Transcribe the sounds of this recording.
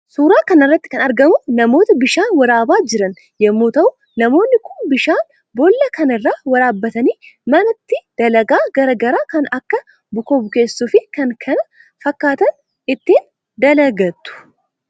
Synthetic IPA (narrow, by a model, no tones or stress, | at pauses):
suːɾaːkɐnɪrːɐt̪ːɪ̥kɐnɐɾɡɐmʊnɐmo̞ːt̪ɐbɪʃaːnwɐɾaːbaːd͡ʒɪɾɐn | jɛmːoːt̪ɐʔʊ | nɐmo̞ːnːɪkʊnbɪʃaːn | bolːɐkɐnɪrːaːwɐɾaːbːɐt̪ɐniːmɐnɐt̪ːɪd̪̥ɐlɐɡaːɡɐɾɐɡɐɾaːkɐnɐkːɐ | bʊkobʊke̞ːsːufɪkɐŋkʰɐnɐ | fɐkːaːt̪ɐn | ɪt̪ːiːn | d̪ɐlɐɡɐt̪ːʊ̥